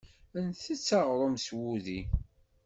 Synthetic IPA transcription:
ənθit͡sːɑʁɾˤomswuði

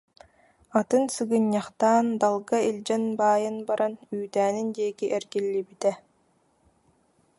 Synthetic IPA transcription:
at̪ɯnsɯɡɯɲːaχt̪aːnd̪alˠɡailʲd͡ʑɛnbaːjɯnbaɾanyːt̪æːnind̪iɛkiʔɛɾɡilːibit̪ɛ

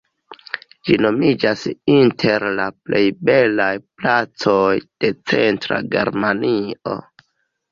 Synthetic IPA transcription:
d͡ʒino̞mid͡ʒasintʰe̞ɾlaple̞jbe̞lajplat͡sojd̥e̞t͡se̞ntɾa̰ɡe̞̰ɾmanio̰

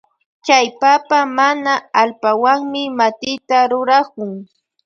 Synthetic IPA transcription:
t͡ʃajpapamanaalpawaŋmɪmat̪ɪjt̪aɾʊɾakʊŋ

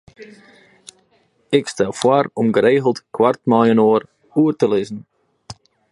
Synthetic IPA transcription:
ɪkstɛlˠfwarɔmɡəɾeːɣəlˠtkwartmajənoːər | uərtəlɪzən̩

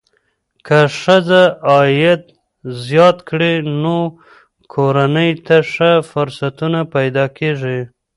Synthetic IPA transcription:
kaʂəzaɑjɪt̪ | zjɑt̪kɽeno | kʰoɾanəjt̪aʂəfʊɾsat̪unapajd̪ɑkeʐi

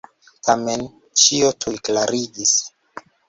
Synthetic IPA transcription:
tʰamen | t͡ʃiotʰujklaɾiɡis

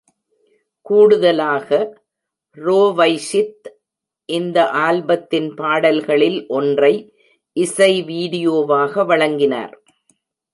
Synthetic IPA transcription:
kuːɽɯðɐlaːɣɐ | ɾoːʋɐɪsɪt̪ | ʔɪnd̪ɐʔaːlbɐt̪ːɪnpaːɽɐlɣɐɭɪlʔɔndrɐɪ | ʔɪsɐɪʋiːɽɪjoːʋaːɣɐʋɐɻɐŋɡɪna̰ːɾ

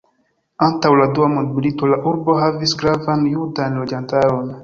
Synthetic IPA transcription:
ãntawladuamod̚militolaʔuɾboɦavisɡɾavãnjudaɛ̃nlod͡ʒãntaɾon

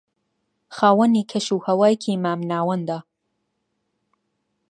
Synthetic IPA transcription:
xaːwɐniːkʰɐʃuːhɐwaːjcʰimaːmnaːwɐnd̪aː

